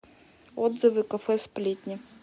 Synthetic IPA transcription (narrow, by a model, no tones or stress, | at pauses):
ɔd̪zɨvɨkɐfɛsplʲit̪ʲnʲi